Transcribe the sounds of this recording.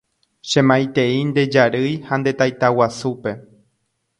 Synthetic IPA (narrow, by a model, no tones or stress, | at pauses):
ʃẽmãjt̪e̞ind̪e̞d͡ʒaɾɨjhand̪e̞t̪ajt̪awasupe̞